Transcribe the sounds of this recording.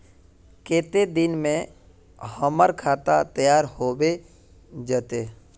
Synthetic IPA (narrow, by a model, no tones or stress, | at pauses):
keːt̪ed̪ɪnmẽ | həməɾkʰaːt̪at̪əjaːɾhoːbe | d͡ʒət̪eː